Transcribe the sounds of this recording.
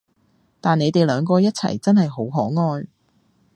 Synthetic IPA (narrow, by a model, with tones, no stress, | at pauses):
t̪aː˨ne˨˧jt̪e˨jlœː˨˧ŋkɔː˧jɐ˥t̚t͡sʰɐ̰˨˩jt͡sɐ˥nhɐ˨jɦo˨˥wɦɔː˨˥ŋɔː˧j